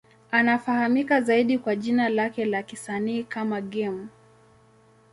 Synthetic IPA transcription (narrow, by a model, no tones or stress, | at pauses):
anafahamikazaiɗikwaʄinalakɛlakisaniːkamaɠɛmu